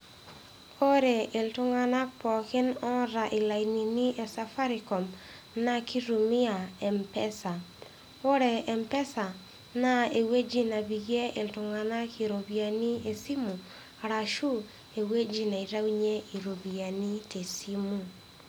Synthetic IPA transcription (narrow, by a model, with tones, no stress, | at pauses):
o˦ɾe˨ɪ˨ltʊ˦ŋa˦na˦pɔ˨kɪ˦nɔ˦ɾa˨ʔɪ˨la˨ini˨ni˦ʔɛ˨sa˦fa˦ɾikɔ˨m | na˦ki˦ɾu˨mɪ˦a˨ɛ˨mpɛ˦sa˨ | o˦ɾɛ˨ɛ˨mpɛ˦sa˨ | na˦e˨we˦d͡ʒi˦na˨bi˨ɡe˦ʔɪ˨ltʊ˨ŋa˨na˦kʰi˨ɾo˨bia˨ni˦e˨si˦mu˨ | aɾa˨ʃu˦ | e˨we˦d͡ʒi˦na˨i˨ɾa˦wiɲe˦i˨ɾo˨bi˨a˨ni˦te˨simu